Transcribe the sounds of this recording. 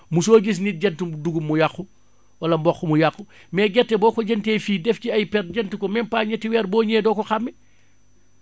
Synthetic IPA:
musoːɡis̬nit̚ɟɛntuduɡumːujaxu | wɐlɐmbɔxːumujakːu | mɛːɡɛtːɛbɔːkɔɟɛntefiːdɛfciɐjpɛr̚ɟɛntukɔmɛmpaːɲɛtːiwɛɾbɔːɲeːdɔːkɔxamːi

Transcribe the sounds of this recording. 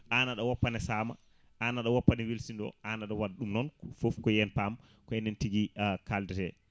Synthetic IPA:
ʔanaɗɔwɔpːanɛsaːma̰ | ʔanaɗɔwɔpːanɛwilsindɔ̰ʔanaɗɔwadɗumnɔnfofkɔjɛnpam | kɔɛnɛntiɡikaldɛɾɛ

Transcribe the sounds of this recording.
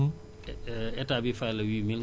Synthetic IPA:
ɛtaːbifajlɐwiːmil

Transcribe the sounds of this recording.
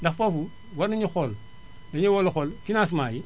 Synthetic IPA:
daxfafu | waɾniɲixol | daɲiwolxolkinas̬maːji

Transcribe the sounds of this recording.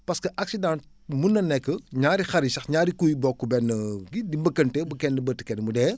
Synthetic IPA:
pɐskɐʔɐk̚sidãnt | munːɐnːɛkːəɲaːɾixɐɾisɐxɲaːɾikujbɔkːubɛnːəɡidibɐkɐntɛbɐkɛndəbətːə̥kɛnmudɛː

